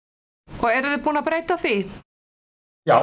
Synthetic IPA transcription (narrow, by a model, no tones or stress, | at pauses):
ɔɛɾʏðʏpuːnapɾeːjt̪aθvi | ja